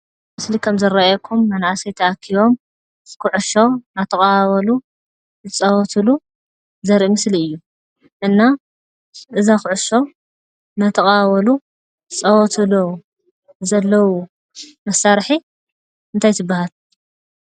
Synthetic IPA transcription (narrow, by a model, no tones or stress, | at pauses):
mɨslikʰɐmzɐɾaajɛkʰumːɐnaʕasɐjt̪ʰɐakʰːiβo̞m | kɨʕʊʃo̞nat̪ʰɐkʼawɐlu | zɨt͡sʼɐwɔt̪ʰɨlu | zɐɾʔimɨsliɨjːu | ʔɨnːa | ʔɨzaxɨʕʊʃo̞ | nat̪ʰɐkʼawɐlu | ɨt͡sʼɐwɔt̪ʰɨlo | zɐlːɐwu | mɐsaɾħi | ɨnt̪ʰajt̪ʰɨbːahal